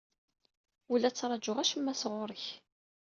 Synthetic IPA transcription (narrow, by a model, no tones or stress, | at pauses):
ulæt͡sːɾˤɑd͡ʒʊʁæʃəmːæsʁʊɾˤəç